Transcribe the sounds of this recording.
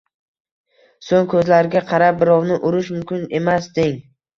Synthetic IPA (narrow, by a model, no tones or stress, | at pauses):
soŋkʰɵzlaɾɡʲaqʰɑɾap̚bɪɾɒwnɪʔʊɾɪʃmʊmkʲɪne̞masd̪ɪŋ